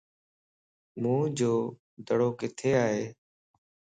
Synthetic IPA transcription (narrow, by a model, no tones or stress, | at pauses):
mũːd͡ʒoː | d̪əɽoːkɪt̪ʰeːaːɦeː